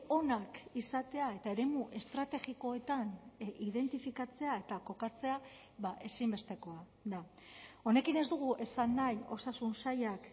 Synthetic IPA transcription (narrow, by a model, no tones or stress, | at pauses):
o̞nakisat̪e̞ae̞t̪ae̞ɾe̞muʔe̞st̪ɾat̪e̞ɣiko̞e̞t̪aniðe̞nt̪ifikat͡se̞ae̞t̪ako̞kat͡se̞a | βaʔe̞simbe̞st̪e̞ko̞a | d̪ao̞ne̞kine̞zd̪uɣ̞uʔe̞sanːajo̞sasunsajak